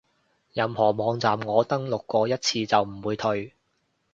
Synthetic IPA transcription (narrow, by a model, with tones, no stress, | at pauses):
jɐ˨˧mhɔː˨˩mɔː˨˧ŋt͡saː˨mŋɔː˨˧t̪ɐ˥ŋlʊ˨kːɔː˧jɐ˥t̚t͡sʰiː˧t͡sɐ˨wm̩˨˩wuː˨˧jt̪ʰɵ˧ɥ